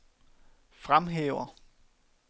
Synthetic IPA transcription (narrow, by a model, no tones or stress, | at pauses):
fʁamɦḛːʊɐ